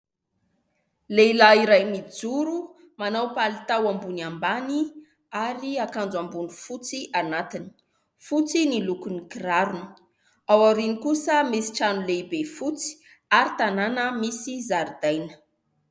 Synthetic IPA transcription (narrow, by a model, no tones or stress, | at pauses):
lelaiɾajmid͡zuɾu | manawpalit̪awambunambani | aɾiakand͡zambunifut͡siʔanat̪ini̥ | fut͡sinilukunikiraɾunə̥ | awaɾinikusəmesi̥ʈ͡ʂanulebefut͡si̥ | aɾit̪ananəmisizaɾd̪ajnə̥